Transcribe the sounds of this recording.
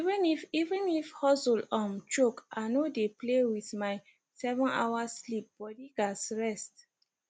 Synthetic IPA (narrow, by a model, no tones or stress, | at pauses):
ivɛ̃nifivɛ̃nifhɔsulɔ̃mt͡ʃokanodeplewiθmaɪ | sɛvɔ̃na̰waslip̚b̥ɔdiɡasɹɛst